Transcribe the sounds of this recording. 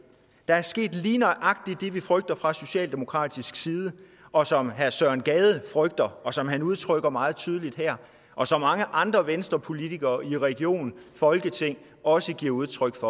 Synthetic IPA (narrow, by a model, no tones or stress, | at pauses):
d̥ɑ̈æɐsɡ̥e̝̰ːd̥liːnɒɪʔɑ̈ɡ̥̚d̥id̥e̝ʋifʁœɡ̥̚d̥ɐfʁɑ̈so̝ɕɛ̰ːld̥e̝mo̝̥kʰʁɑ̰̈ːd̥isɡ̥siːð̞ˠə | ʔɒ̽sɒ̽mɦæɐsɶɐ̰nɡ̥ɛːð̞ˠəfʁœɡ̥̚d̥ɐɒ̽sɒ̽mɦænuð̞ˠt͡sʰʁœɡ̥ɐmɑ̈ːð̞̩ˠt͡sʰyːð̞ˠəlid̥hæɐ̰ | ʔɒ̽sɒ̽mːɑ̈ŋəʔɑ̈nd̥ʁɐʋensd̥ʁɐpʰo̝lit͡sʰiɡ̥ɐːiʁɛɡ̥jo̝̰ːn̩fɒ̽lɡ̥ət͡sʰe̝ŋ̰ | ɒ̽səɡ̥iɐ̰uð̞ˠt͡sʰʁœɡ̥fɒ̽